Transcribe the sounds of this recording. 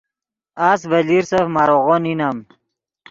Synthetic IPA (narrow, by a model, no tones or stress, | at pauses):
asbəliɾsəfmaɾoɣoninam